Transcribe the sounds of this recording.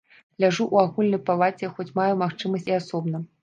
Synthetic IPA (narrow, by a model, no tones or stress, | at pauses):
lʲaʐuʔuaɣulʲnɐjpalˠat͡sʲɛxɔt͡sʲmajumaxt͡ʂɨmɐsʲtʲiasɔbnɐ